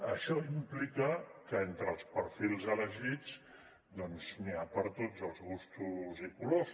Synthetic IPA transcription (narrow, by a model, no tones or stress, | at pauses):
əʃɔimplikəkəent̪ɾəːlˠspəɾfilˠzələʒid͡z | d̪ɔnzniapəɾt̪od͡zəlˠzɣust̪uzikulos